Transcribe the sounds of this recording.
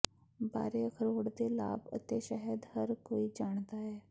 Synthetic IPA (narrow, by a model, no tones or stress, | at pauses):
ba̰ːɾeːkʰəɾoːɽd̪eːla̰ːbə̰t̪eʃəɦəd̪həɾkoːid͡ʒaːɳd̪aɦɛː